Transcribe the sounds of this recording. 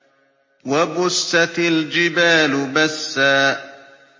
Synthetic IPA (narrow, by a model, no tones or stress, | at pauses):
wabʊsːat̪ald͡ʒɪbaːlʊbasːaː